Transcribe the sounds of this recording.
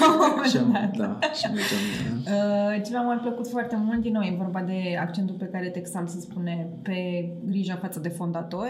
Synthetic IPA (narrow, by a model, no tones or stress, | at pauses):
menat̪ | ət͡ʃevamapləkut̪foart̪e̞mult̪̚d̪inowjevo̞rbad̪e̞akt͡ʃe̞nt̪ulpe̞kaɾe̞t̪eksalsəspune̞pe̞ɡɾiʒafat̪səd̪e̞fo̞nd̪at̪o̞rʲ